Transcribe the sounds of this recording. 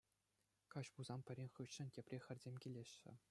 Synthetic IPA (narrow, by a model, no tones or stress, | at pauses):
kɑɕpuzɑmpʲɘ̆ɾʲenʲχɯɕːɘ̆nʲtʲepʲrʲexʲɘ̆rʲzʲemʲkʲilʲeɕːɘ̰̆